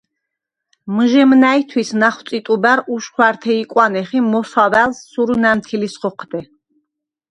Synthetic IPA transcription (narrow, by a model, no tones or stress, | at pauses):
mʒɛmnait̪ʰwisnaχw̥t̪sʼit̪ʼubaɾuʃχwaɾt̪ʰɛikʼwanɛχimɔsavælsːuɾunamt̪ʰilisχɔqʰd̪ɛ